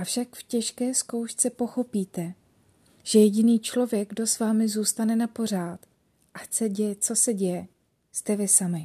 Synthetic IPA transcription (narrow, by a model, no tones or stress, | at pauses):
ʔafʃakfcɛʃkɛːsko̞wʃt͡sɛpo̞xo̞piːt̪ɛ | ʒ̥ɛjɛɟɪniːt͡ʃlo̞vjɛɡ̚ɡdo̞svaːmɪzuːst̪anɛnapo̞r̝aːt̪ | ʔat͡sɛɟɛjɛt͡so̞sɛɟɛjɛ | st̪ɛvɪsamɪ